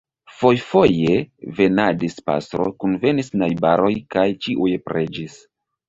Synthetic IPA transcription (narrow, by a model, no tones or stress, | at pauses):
fo̞jfo̞jeve̞nadispa̰stɾo̰kunve̞nisnajbaɾo̞jkajt͡ʃiʔujpɾʔed͡ʒis